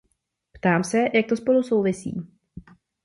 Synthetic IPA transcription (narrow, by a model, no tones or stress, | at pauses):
pt̪aːmsɛjak̚t̪o̞spo̞luso̞wvɪsḭː